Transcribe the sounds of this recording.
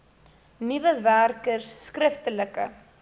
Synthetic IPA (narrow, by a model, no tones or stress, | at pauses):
nivəværkərsːkrəftələkə̰